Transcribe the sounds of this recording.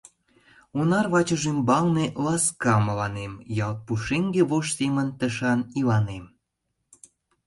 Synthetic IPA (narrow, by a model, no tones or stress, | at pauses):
unɑrβɑt͡ɕəʒymbɑlnelɑskɑməlɑnemjɑlt̪̚puʃeŋɡeβoʃsemənt̪əʃɑnilɑnem